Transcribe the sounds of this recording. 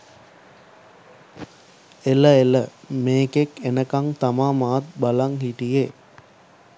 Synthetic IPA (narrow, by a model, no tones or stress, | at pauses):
eləeləmeːkekenəkaŋt̪amaːmaːt̪̚balaŋhiʈije